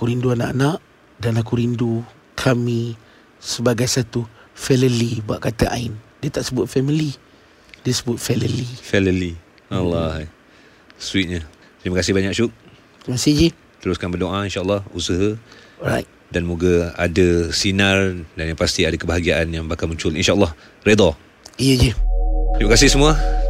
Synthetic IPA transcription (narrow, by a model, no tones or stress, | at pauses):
akuɾinduanaʔanaʔ | danlakuɾindu | kʰami | səbaɡajsat̪ufɛləlibua̰ʔkat̪aʔa̰indiət̪aʔsəbʊt̪̚fɛmili | diəsəbʊt̪̚fɛləlifɛləli | alːɔ | swit̪̚ɲə | t̪ɾimakasɪhbaɲak̚ʃuk̚ | t̪ɾimakasihd͡ʒi | t̪əɾuskanbərdoʔainʃaəlːɑhusəɦə | ɹa̰jt̪̚ | danmuɡaa̰dəsinardanjãpast̪iadakəbəɦaɡiaʔanjaŋbakalmũɲt͡ʃʊlinʃaəlːɑh | red̪ɔ | ijəd͡ʒət̪ɾimakasɪhsəmũa